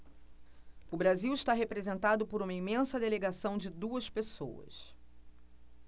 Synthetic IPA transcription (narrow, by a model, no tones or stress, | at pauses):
ʊbɾaziwɪʃt̪aɦepɾezẽnt̪ad̪ʊpʊɾũmɐimẽsɐd̪eleɡasɐ̃w̃d͡ʒɪd̪uɐspeso̰wɐ̰s